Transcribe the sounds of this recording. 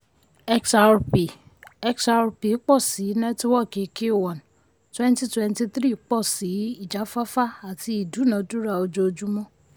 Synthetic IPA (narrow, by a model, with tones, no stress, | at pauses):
ɛ˧ksa˧ɾpi˨ | ɛ˧ksa˧ɾpi˨˦k͡pɔ˦˨si˨˦nɛ̃˦tu˦wɔ˦˨ke˨˦ke˦˨wã˨n˨ | twɛ̃˦n˦ti˦twɛ̃˧nti˧tɾi˦˨˦k͡pɔ˦˨si˨˦i˦˨d͡ʒa˨˦fa˦fa˦a˨ti˧˦i˦˨du˨˦nã˨˧˦du˦ɾa˦˨o˧d͡ʒo˧o˧d͡ʒu˦mɔ̃˦